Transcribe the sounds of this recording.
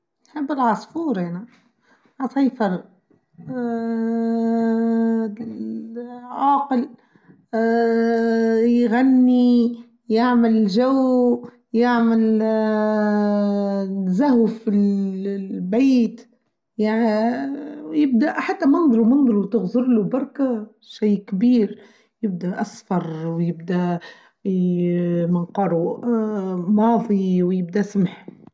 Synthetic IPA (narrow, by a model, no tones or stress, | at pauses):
jħɪbːɪlʕɑsˤfuːɾʔæna | ʕɑsˤɑjfɑɾˤ | ʕaːqɪl | jɣanːi | jaʕmɪlʒaw | jaʕmɪl | zahwfil | baːt̪ | jaʕ | jɪb̚d̪æħat̪ːæmɑnd̪ˤɾumɑnd̪ˤɾut̪ɪɣzʊɾlubɑɾˤka | ʃajkbiːɾ | jɪb̚d̪æʔasfɑɾˤwjɪb̚d̪æ | mɪnqɑːɾu | mɑːðˤiwjɪb̚d̪æsmħ